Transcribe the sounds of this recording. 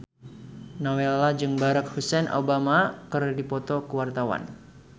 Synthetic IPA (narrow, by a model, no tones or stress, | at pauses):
nawelad͡ʒɨŋbaɾak̚husɛnʔa̰bamakɨrdipɔt̪ɔkəwart̪awa̰n